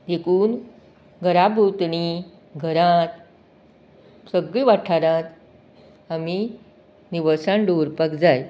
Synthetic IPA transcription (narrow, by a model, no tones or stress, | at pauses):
d̪ekuːn | ɡʱəɾabʱut̪ni | ɡʱəɾãt̪ | səɡɭiʋaʈʰaɾãt̪ | ami | niʋəsãnɖoɾpakd͡zaj